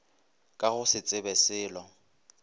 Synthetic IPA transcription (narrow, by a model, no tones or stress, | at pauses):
kʼaɣʊsɪt͡sʼɪbɛsɪːlɔ